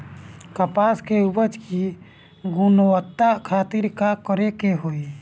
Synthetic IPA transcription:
kəpaːskeubət͡ʃki | ɡʊnowət̪ːakʰaːt̪ɪɾkakəɾekeɦoi

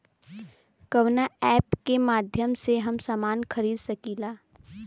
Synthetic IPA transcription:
kɐʋnaɛːpkemaːd̪ʱjəmseɦɐmsaːmaːnxɐɾiːd̪sɐkiːlaː

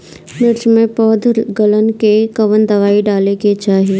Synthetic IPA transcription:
nɪɾd͡ʒmẽpɔːd̪ʱɡələnkekɐʋənd̪ɐʋaːiɖaːleket͡ʃaːɦije

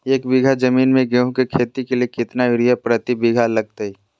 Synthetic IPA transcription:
eːk̚bɪɡʱad͡ʒɐmiːnmẽɡeɦõkekʰeːt̪ikeliekɪt̪naʊɾijapɾɐt̪ibɪɡʱalɐɡ̚t̪aɦi

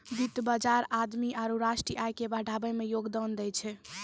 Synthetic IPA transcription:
bit̪bad͡ʒaɾad̪miaɾuɾaʃʈɾiajkebəɖʱabəjmejoɡd̪ɔnd̪ɛjt͡ʃʰɛ

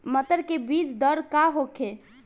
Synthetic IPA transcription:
mət̪əɾkebid͡ʒd̪əɾkaɦokʰe

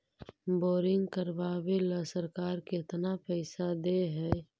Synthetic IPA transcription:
boːɾɪ̃ŋɡkəɾbaːweləsəɾkaːɾkɪɪt̪napɛːsad̪eɦɛː

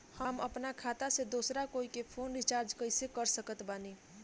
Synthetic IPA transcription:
həməpnakʰat̪ased̪osɾakoikepʰoːnɾit͡ʃaɾd͡ʒkəɪsekəɾsəkət̪bani

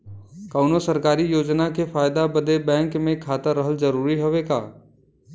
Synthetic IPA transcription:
kaʊnosɐɾkaːɾijoːd͡ʒnakefaːjd̪abɐd̪ebɛ̃ːŋkmẽkʰaːt̪əɾːəɦəlzɐɾuːɾiɦoʋeka̰ː

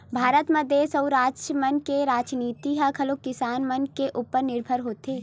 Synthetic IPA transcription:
bʱaːɾət̪məd̪esəwɾaːt͡ʃmənkeɾaːd͡ʒniːt̪iɦakʰɐlokɪsaːnmənkeʔuːpəɾnɪɾbʱəɾɦoːt̪eː

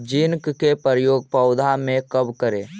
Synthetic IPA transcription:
d͡ʒɪnkkepəɾjoːɡ̚pəʊd̪ʱamẽkəbkəɾẽː

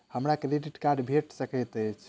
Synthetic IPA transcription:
həmɾakɾiɖiʈkaɾɖbʱeʈsəkəjt̪əjt͡ʃʰ

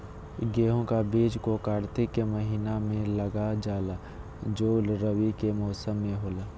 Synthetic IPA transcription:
ɡeːɦõkabiːd͡ʒkokaːɾt̪ɪkːeməɦiːnamẽləɡad͡ʒaːla | d͡ʒoːlɾəʋikemɔːsəmːẽɦoːlaː

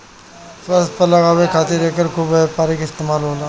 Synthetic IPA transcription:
swəst̪̚pəɾlɐɡaːwekʰaːt̪ɪɾeːkəɾkʰuːbɦɛpaːɾikɪst̪eːmaːlɦoːlaː

